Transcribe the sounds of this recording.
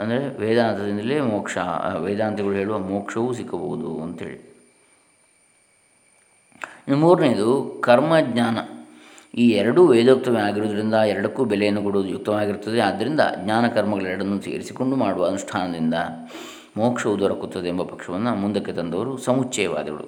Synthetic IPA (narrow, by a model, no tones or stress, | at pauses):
ɐnd̪ɐɾe̞ʋɛːd̪aːnt̪ʰɐd̪ind̪ɐleːmɔːkʂɐ̰ʋɛːd̪aːnt̪ʰɛɡɐɭuɦe̞ːɭuʋɐmɔːkʂɐʋusikːɐbɐɣud̪uɐnt̪ɐɦḛːɭi | nɐmuːɾnejd̪ukɐɾmɐɡɲaːnɐ | iːɛɾɐɽuʋɛːd̪oːp̚t̪ːɐmeaːɡiɾoːd̪ɐɾind̪ɐɛɾɐɽɐkːuːbɛlejɐnːukuɽuʋd̪ujuk̚t̪ːɐʋaːɡiɾut̪ːɐd̪ead̪ːɐɾind̪ɐ̰ɡɲaːnɐkɐɾmɐɡɐɭɛɾɐɽɐnːusḭɡɐ̰ɾisiko̞ɳɖumaːɽuʋɐːnuʂʈʰaːnɐd̪ind̪ɐ̰ | mɔːkʂɐʋud̪ɐɾɐkut̪ːɐd̪eːmbɐpɐkʂɐʋɐnːumund̪ɐkːet̪ɐnd̪ɐʋɐɾusɐmut͡ʃːɐjɐʋa̰ːd̪ɐɡɐɭṵ